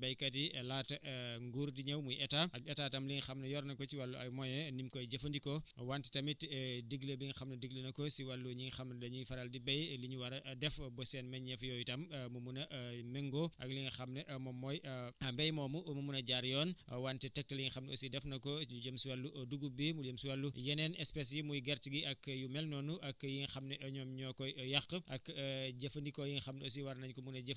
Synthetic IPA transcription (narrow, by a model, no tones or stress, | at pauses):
bɐjkɐt̬iɛlaːtɐʔŋɡuɾdiɲɐwmujʔɛtaʔɐɡɛtaːtɐmliŋxɐmnɐjɔːɾnɐkɔsiwɐlːuɐjmɔjɛnimkɔjɟɐfɐndikɔwantɛ̥tɐmitdiɡlɐbiŋxɐmnɐdiɡlɐnɐkɔsiwɐlːuɲiŋxɐmnɐdɐɲufɐɾɐldibɐjliɲuwɐɾɐʔdɛfbɔsɛnmɛnɲɐfjɔːjtɐmmumunɐʔmɛŋɡɔʔɐ̰klixɐmnɛʔɐmɔmɔːjɐmbɛjmɔːmumumunɐɟaɾjɔːnwantɛtɛk̚tɐljiŋxɐmnosidɛfnɐkɔɲuɟəmsiwɐlːuʔɐduɡubimuləmsiwɐlːujɛnɛnɛspɛsjimujɡɛrtiɡiʔɐkːjumɛlnɔːnuʔɐkːjiŋxɐmnɛʔɐɲɔːmɲɔːkɔjjɐxʔɐkɟɐfɐndikɔjiŋxɐmnos̬iwɐɾnɐɲkɔmunɐɟɐf